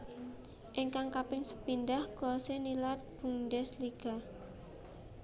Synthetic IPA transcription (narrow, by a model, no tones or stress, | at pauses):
ʔɪŋkaŋkapɪŋsə̥pind̪ahɡ̥ɔsenilat̪̚b̥uŋdɛsliɡ̥a̤